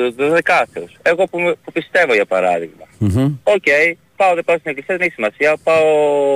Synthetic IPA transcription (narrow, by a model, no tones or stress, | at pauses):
t̪uzðekɐθeuseɣo̞pumpupist̪e̞voʝɐpɐɾɐ̰ðiɣmɐocej | pɐoðepɐost̪ineklisiɐðeneçi̥simɐsiɐpɐo